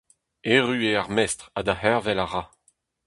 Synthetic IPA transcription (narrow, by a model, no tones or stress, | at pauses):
eʁyeaʁmɛst̪χad̪ahɛʁvɛlaʁa